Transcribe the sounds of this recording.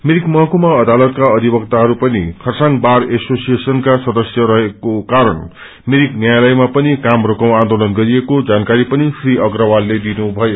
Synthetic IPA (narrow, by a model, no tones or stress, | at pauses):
meɾikmʌɦʌkomaʌd̪alʌt̪kaʌd̪ʱibʌkt̪aɦʌɾupʌnḭkʰʌrsaŋbaresosijesʌnkasʌd̪ʌsjʌɾʌɦekokaɾʌn | meɾiknjajlʌjmapʌnikamrokaw̃ãnd̪olʌnɡʌɾiekod͡zankaɾipʌnisriʔʌɡrʌwalːed̪inubʱʌjo